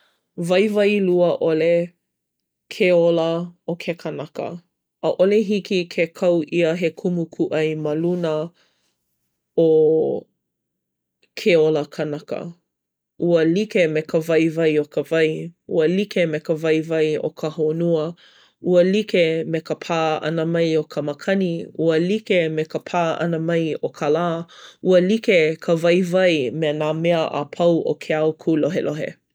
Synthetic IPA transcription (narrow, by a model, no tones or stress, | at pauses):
vɐjvɐjluəʔole | kʰeoləokʰekʰənɐkə̰ | ʔəʔoleɦikikʰekʰɐwʔiəɦekʰumukʰuʔɐjmɐlunə | o | kʰeoləkʰənɐkə̰ | ʔuəlikemekəvɐjvɐjokəvɐjuəlikemekəvɐjvɐjo̰kʰəhonuə | uəlikemekəpʰaːɐ̰nəmɐjokʰəməkʰɐniuəlikemekəpʰaːʔɐ̰nəmɐjokʰalaːuəlikekʰəvɐjvɐjmenaːmeəʔa̰pʰɐwʔo̰kʰeawkʰuloɦelʔoɦḛ